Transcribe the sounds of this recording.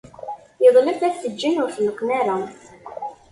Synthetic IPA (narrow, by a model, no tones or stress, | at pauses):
jəðˤləfæθθəd͡ʒːənʊɾθnəkʷːnæɾa